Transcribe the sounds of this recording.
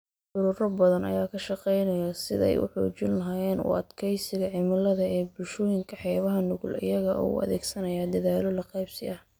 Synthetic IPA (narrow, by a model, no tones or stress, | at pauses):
ʕʊɾʊːɾɐbɐðɐnɐ̰jaːkʰɐʃɑqɛjnɐjɐsɪðɛ̰jʊ̰ħɔ̰ːt͡ʃɪnlɐɦaːjɛːnʊ̰ʔɐ̰d̪kʰɛjsɪɣɐʕɪmɐlɐðɐɛːbʊlʃɔːjɪŋkʰɐħɛːβɐɦɐnʊɣʊ̰lɪ̰jɐɣɐʔṵɐ̰ðɛːɡsɐnɐjaːd̪ɐðaːlɔlɐqɛjbsɪ̰ʔɐh